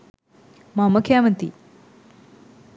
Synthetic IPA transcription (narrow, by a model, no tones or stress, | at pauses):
mamɐkʰjaːmɐnt̪ḭ